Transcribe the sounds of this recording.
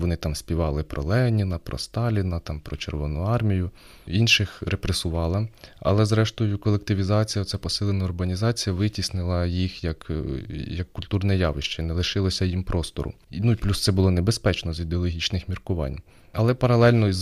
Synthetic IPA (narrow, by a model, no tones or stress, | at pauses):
ʋɔnɪt̪ɑmsʲpʲiʋɑlˠɪpɾɔ̰lˠɛnʲinɐpɾɔ̰st̪ɑlʲinɐt̪ɑmpɾɔt͡ʃerʋɔnʊɑrmʲijʊ | inʃɪxɾepɾesʊʋɑlˠɐɐ̰lˠɛzɾɛʃt̪ɔjʊkɔlˠek̚t̪ɪʋʲizɑt͡sʲijɐɔt̪ʲsʲapɔsɪlˠenɐʊrɦɐnʲizɑt͡sʲijɐʋɪtʲisnɪlˠɐjixjɐk | jɐkːʊlʲt̪urnɛjɑʋɪʃt͡ʃɛnɛlˠɪʃɪlˠɔsʲɐjimpɾʔɔst̪ɔ̰ɾʊ̰nuiplʲust̪sɛbʊlˠɔnebespɛt͡ʃnɔzid̪eɔlˠɔɦʲit͡ʃnɪxmʲirkʊʋɑ̰nʲ | ɐlˠɛpɐɾɐlˠɛlʲnɔz